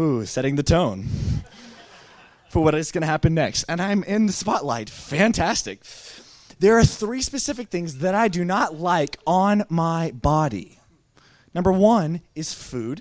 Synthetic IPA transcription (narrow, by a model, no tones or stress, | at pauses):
usɛɾɪ̃ŋðɨtʰõʊ̃n | fə˞wʌɾɨzɡ̥ʌñɨhæpɨ̃nːɛkstɨ̃nãɪ̃mɪ̃nðɨspɑtˡla̰ɪtfæ̃ntʰæstɨ̰k̚ | ðə˞ːθɹispɨsɪfɨk̚θɪ̃ŋzðɨɾaɪdɨnətˡlaɪkʰn̩maɪbɑɾḭ | nʌ̃mbə˞wʌ̃nɨz̥fʉd̥